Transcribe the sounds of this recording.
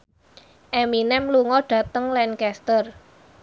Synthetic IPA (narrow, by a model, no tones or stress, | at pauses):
ʔɛminɛmluŋɔɖ̥ä̤t̪əŋlɛnkɛst̪ər